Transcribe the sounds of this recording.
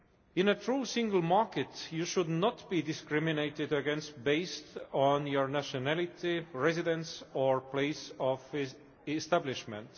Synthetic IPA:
ɪ̃nətɹuːsĩŋɡəl̩ˠmɑɹket̪juʃʊd̪nɔt̪b̥id̪ɪskɹimineɪt̪ɪd̪əɡẽnst̪̚beɪst̪õnjoɹnæʃonælit̪iɹezid̪ɛ̃nsoɹpʰleɪsɔv | est̪æblɪʃmɛ̃nt̪

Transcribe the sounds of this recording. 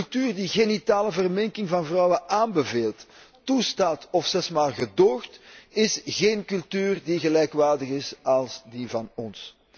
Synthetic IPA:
lˠtyːrdiɣenitaːləvərmɛŋkɪŋvɑnvrɔwəʔaːnbəveːlˠt | tustaːtɔfsɛsmaːlˠɣədoːxtɪsɣeːnkɵlˠtyːrdiɣəlɛjkʋaːrdəɣɪsɑlˠsdivɑnɔns

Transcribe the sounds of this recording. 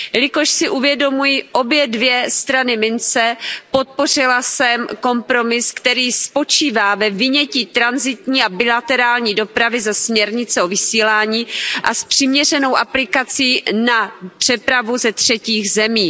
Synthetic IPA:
jlɪko̞ʃsɪʔuvjɛdo̞mujɪʔo̞bjɛdvjɛst̪ɾanɪmɪnt͡sɛpo̞t̪̚po̞r̝ɪlasɛmko̞mpɾo̞mɪskt̪ɛɾiːspo̞t͡ʃiːvaːvɛvɪɲɛciːt̪ɾanzɪt̪ɲiːabɪlat̪ɛɾaːlɲiːdo̞pɾavɪzɛsmɲɛɾɲɪt͡sɛo̞vɪsiːlaːɲiːʔaspr̥ɪmɲɛr̝ɛno̞wʔaplɪkat͡siːnapr̝̥ɛpɾavuzɛt̪r̝̥ɛciːxzɛmiː

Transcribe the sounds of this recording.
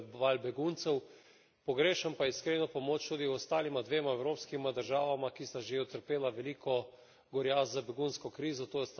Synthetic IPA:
ʋalbɛɡunt̪sɛw | pɔɡɾeːʃampaiskɾeːnɔpɔmoːt͡ʃt̪ud̪iɔst̪aːlimad̪ʋeːmaɛwɾoːpskimad̪əɾʒaːʋamakist̪aʒeɔt̪əɾpeːlaʋɛliːkʰɔ | ɡɔɾjaːzzabɛɡunskɔkɾiːzɔt̪oːjɛst̪

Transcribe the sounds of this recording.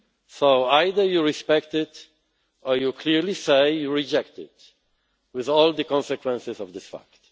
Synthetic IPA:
soʊajd̪əjuɹispɛkt̪ɪt̪ | ɔjukʰliɹlisejjuɹid͡ʒɛkt̪ɪ̰t | wɪðɔld̪əkɔ̃nsɛkwɛ̃nsɪsɔvd̪ɪsfa̰kt̪

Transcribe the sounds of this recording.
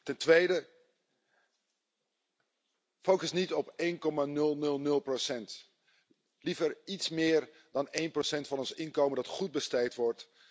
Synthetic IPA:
tɛntʋejdə | fowkəsnitɔpejnkɔmanɵlˠnɵlˠnɵlˠprosɛnt | livəɹitsmɪːɹ | dɑnejnprosɛntfɑnɔnsɪnkowməndɑtχud̚bəstejtʋɔɹt

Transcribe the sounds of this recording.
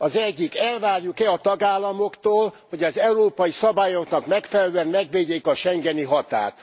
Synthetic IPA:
ɒzɛɟːikɛlvaːrjukɛɒt̪ɒɡaːlːɒmo̞kt̪oːlho̞ɟɒzɛuɾoːpɒjisɒbaːjo̞knɒkmɛkfɛlɛløɛnmɛɡʋeːɟeːkɒʃɛŋɡɛniɦɒt̪a̰ːt̪

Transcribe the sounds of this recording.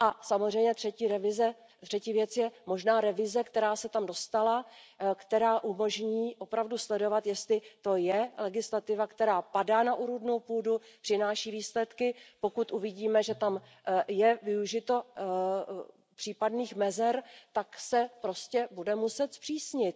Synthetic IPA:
ʔasamozrɛjɲɛt̪r̥ɛciːɾɛvɪzɛ | t̪r̝̥ɛciːvjɛt͡sjɛmo̞ʒnaːɾɛvɪzɛkt̪ɛɾaːsɛt̪amdo̞st̪alakt̪ɛɾaːʔumo̞ʒɲiːʔo̞pɾavduslɛdo̞vat̪jɛst̪lɪt̪o̞jɛlɛɡɪslat̪ɪvakt̪ɛɾaːpadaːnaʔuɾudno̞wpuːdupr̥ɪnaːʃiːviːslɛt̪kɪpo̞kut̪ʔuvɪɟiːmɛʒɛt̪am | jɛvɪuʒɪt̪o̞ | pr̥iːpadniːxmɛzɛɾt̪aksɛpɾo̞scɛbudɛmusɛt̪spr̥iːsɲɪt̪̚

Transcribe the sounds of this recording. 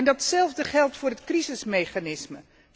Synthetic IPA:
ndɑtsɛlˠvdəχɛlˠtfʊːɹrɦətkrizɪsmejχanɪsmə

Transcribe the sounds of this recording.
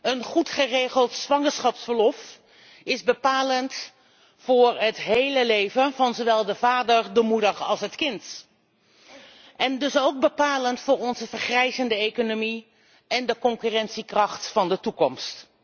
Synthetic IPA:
ənχutχərejχəlˠtsʋɑŋəɹsχɑpsfəɹlɔf | ɪzbəpaːlənt | fʊːɹətɦejləlejvənvɑnzoʋɛlˠdəvaːdəɹdəmudəχɑ̰lˠsɦətkɪnt | ʔɛndɵsowɡ̚bəpaːləntfʊːɹɔnzəvəɹχrɛjzəndəejkonomi | ɛndəkɔŋkyrɛntsikrɑχtfɑndətukɔmst

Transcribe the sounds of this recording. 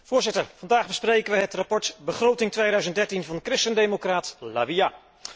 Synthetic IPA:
v̥ʊːɹzɪtəɹvɑndaːχbəsprejkənʋəɦətrapɔɹtbəχrowtɪŋtʋejdœɥzəntdɛɹtinvɑndəkrɪstəndejmokraːtla̰ʋija

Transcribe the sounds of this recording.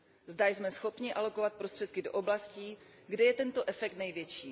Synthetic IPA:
zdajzmɛsxo̞pɲɪʔalo̞kovat̪̚pɾo̞st̪r̝̥ɛt̪̚kɪdo̞ʔoblasciːɡdɛjɛt̪ɛnt̪o̞ʔɛfɛk̚t̪nɛjvjɛt͡ʃiː

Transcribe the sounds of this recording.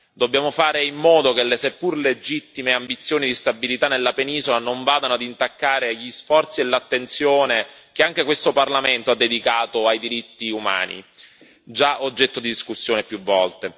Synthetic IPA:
d̪obːjaːmofaːɾeimːɔːd̪ok̟elːesepːurled͡ʒit̪ːimeambit̪sːjoːnid̪ist̪abilit̪anːelːapeniːzolanoɱvaːd̪anoad̪int̪akːaːɾeʎːisfɔrt̪sielːat̪ːent̪sjoːnekeaŋk̟ekwest̪oparlament̪oad̪ːed̪ikaːt̪oajd̪iɾit̪ːiuma̰ːnḭ | d͡ʒaʔod͡ʒːɛt̪ːod̪id̪iskusːjoːnepjuvːɔlt̪e

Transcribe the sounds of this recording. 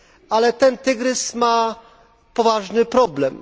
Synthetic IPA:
alɛt̪ɛnt̪ɘɡɾɘsma | pɔvaʐnɘpɾɔblɛm

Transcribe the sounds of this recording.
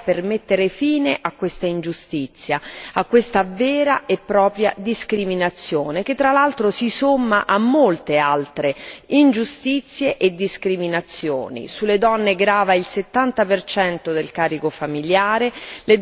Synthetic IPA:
permet̪ːeɾefiːneʔakːwest̪aind͡ʒust̪it̪sːjaakːwest̪avɛːɾaʔepːɾɔːpɾja̰d̪iskɾiminat̪sːjoːnek̟et̪ːɾalalt̪ɾosisomːaʔamːolt̪ealt̪ɾeind͡ʒust̪it̪sːjeʔed̪ːiskɾiminat̪sːjo̰ːnḭsulːed̪ɔnːeɡɾaːvailset̪ːant̪apert͡ʃɛnt̪od̪elkaːɾikofamiljaːɾele

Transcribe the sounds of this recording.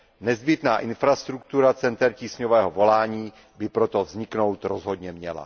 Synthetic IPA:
nɛzbɪt̪naːʔɪnfɾast̪ɾukt̪uɾat͡sɛnt̪ɛɾciːsɲovɛːɦovo̞laːɲiː | bɪpɾo̞t̪o̞vzɲɪkno̞wt̪ɾozɦo̞d̪ɲɛmɲɛ̰la̰

